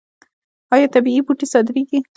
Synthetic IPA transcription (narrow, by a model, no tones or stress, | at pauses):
ɑjɑt̪abiibuʈisɐd̪ɾiɡi